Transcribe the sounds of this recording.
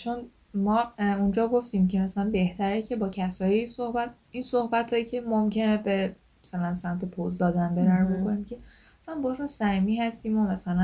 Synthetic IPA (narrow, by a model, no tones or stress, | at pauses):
t͡ʃʰo̞n | mɒːund͡ʒɒːɡo̞ft̪iːmcʰe̞mæsælænbe̞ht̪ʰæɾecʰe̞bɒːcʰæsɒːjeisohbæt̪̚ | inso̞hbæt̪ʰhɒːjicʰe̞momcʰe̞nebe̞ | mæsælænsæmt̪ʰe̞pʰozd̪ɒːd̪ænbeɾæɾobo̞ko̞nimcʲʰe̞æsænbɒːʃunsæmiːɦæst̪iːmomæsælæ